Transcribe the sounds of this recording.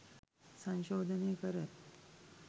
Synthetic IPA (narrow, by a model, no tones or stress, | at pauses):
sə̃nɕod̪ʱənekəɾət̪